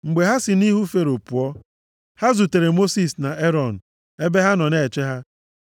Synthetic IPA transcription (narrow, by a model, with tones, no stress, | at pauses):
ŋ͡m̩˨ɡ͡be˨ɦa˦sɪ˨ni˦ɦu˦fe˨ɾo˨pu˨ɔ˦ | ha˦zu˨te˨ɾe˨mo˦si˦˨sna˨e˦ɾɔ˦˨n̩˨ | e˦be˦ɦa˦nɔ˨ne˦˨t͡ʃe˦ɦa˦